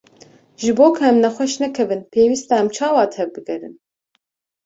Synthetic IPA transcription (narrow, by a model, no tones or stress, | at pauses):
ʒɨboːkʰɨɛmnɛxʷɛʃnɛkʰɛvɨnpʰeːwist̪ɛɛmt͡ʃʰɑːwɑːt̪ʰɛvbɨɡɛɾɨ̰n